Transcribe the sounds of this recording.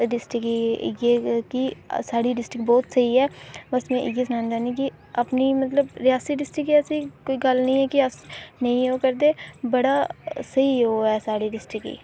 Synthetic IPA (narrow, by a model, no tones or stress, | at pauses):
ɖɪsʈɪkiɡeːkisaːɽiːɖɪsʈɪk̚bɔːt̪səiːɛːbəsmɛ̃ːʔɪɡieːsənaːnd͡ʒ̪aːnĩːkɪ | apniːmət̪ləbɾɪjaːsiɖɪsʈɪkiːəsĩːkoːiːɡəlnəĩːɛːkɪəsnəĩːɦoːkəɾd̪eːbəɽaːsəiːoːɛːsaːɽiːɖɪsʈɪkḭː